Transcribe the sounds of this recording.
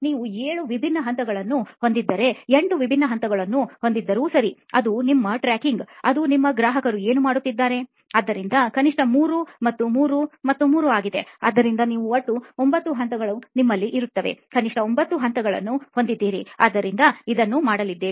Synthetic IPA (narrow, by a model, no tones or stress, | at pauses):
niːʋueːɭuʋibʱinːɐɦɐnt̪ɐɡɐɭɐnːuho̞nd̪id̪ːɐɾe̞eɳɖuʋibʱinːɐɦɐnt̪ɐɡɐɭɐnːuho̞nd̪id̪ːɐɾusɐɾiɐ̰d̪unimːɐʈɾæːkiŋɡɐd̪unimːɐɡɾaːɦɐkɐɾue̞ːnumaːɽut̪ːid̪ːaːɾe̞ | aːd̪ːɐɾind̪ɐkɐniʂʈɐmuːɾumɐt̪ːumuːɾumɐt̪ːumuːɾuaːɡid̪e̞a̰ːd̪ːɐɾind̪ɐniːʋuoʈːuombɐt̪ːuɦɐnt̪ɐɡɐɭunimːɐlːiʔiɾut̪ːɐʋe̞̰kɐniʂʈɐombɐt̪ːuɦɐnt̪ɐɡɐɭɐ̰nːuho̞nd̪id̪ːiːɾḭa̰ːd̪ːɐɾind̪ɐid̪ɐnːumaːɽɐlid̪ːeːi